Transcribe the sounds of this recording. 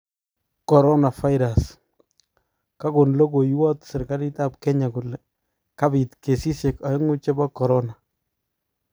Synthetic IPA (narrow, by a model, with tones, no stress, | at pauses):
kɔ˨ɾɔ˦na˨fa˦jɾa˨s | ka˦ko˨nlo˦ko˨jwɔ˦tsɪ˨ɾka˦ɾi˦ta˦p̚kɛ˦ɲa˨ku˨lɛ˨ | ka˦bi˨tke˨si˦sje˨ka˨jŋu˦t͡ʃɛ˦bɔ˦kɔ˨ɾɔ˦na˨